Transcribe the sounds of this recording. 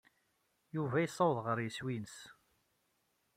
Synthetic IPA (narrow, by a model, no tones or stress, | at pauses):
juvæjisˤːɑwðˤʁəɾjəswinəs